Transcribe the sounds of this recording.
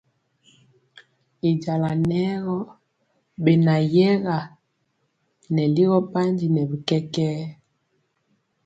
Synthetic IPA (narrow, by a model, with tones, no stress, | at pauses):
i˨d͡ʒa˨la˨nɛ˦ɣɔ˦ | be˨na˨jɛ˦ɣa˨ | nɛ˨li˦ɣɔ˦pa˦nd͡ʒi˨nɛ˨bi˨kɛ˦kɛː˦